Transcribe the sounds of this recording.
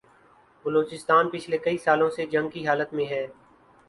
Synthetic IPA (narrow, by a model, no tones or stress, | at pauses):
bəloːt͡ʃɪst̪aːnpɪt͡ʃʰlekɐisaːlõsed͡ʒɐ̃ŋɡ̚kiɦaːlət̪mẽɦɛː